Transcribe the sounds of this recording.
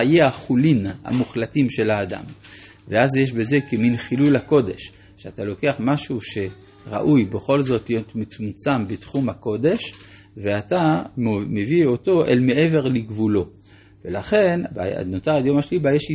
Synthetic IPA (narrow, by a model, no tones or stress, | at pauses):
ajeaχulina̰muχlatimʃe̞laːda̰m | veazjeʃ̬be̞ze̞keminχilulhako̞d̪e̞ʃ | ʃeatalo̞ke̞aχmaʃuʃe̞ | ʁa̰ʔujbeχo̞lzo̞tlijot̪met͡sumt͡sambetχumhako̞d̪e̞ʃ | ve̞atamevio̞to̞ʔḛlme̞ʔe̞ve̞ʁliɡvulo̞ | velaχe̞nba̰notaʁajo̞maʃelibajeʃi